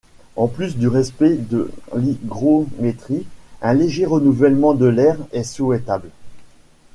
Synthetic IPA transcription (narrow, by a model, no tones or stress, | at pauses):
ɑ̃plys̬d̪yʁɛspɛd̪ə̰liɡʁomet̪χiɛ̃leʒeʁənuvɛlmɑ̃d̪əlɛʁɛsuɛt̪abl